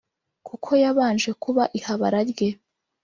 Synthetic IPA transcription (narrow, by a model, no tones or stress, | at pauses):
kʰukʰo̞jaβaːnʒe̞kuβaʔihaβaɾaɾɡe̞